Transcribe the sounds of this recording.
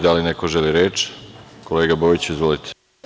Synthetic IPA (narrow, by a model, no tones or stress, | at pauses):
d̪alinekoʒeliɾeːt͡ʃkoleːɡabojit͡ɕizʋolit̪ʰe̥